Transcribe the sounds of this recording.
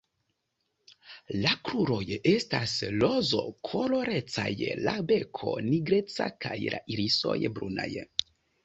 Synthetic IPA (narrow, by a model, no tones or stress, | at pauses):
lakɾuɾo̞je̞staslozo̞̰kʰo̞lo̞ɾe̞t͡sa̰jlabe̞kʰo̞̰niɡɾe̞t͡sa̰kajlʔaʔiɾiso̞̰jbɾuna̰j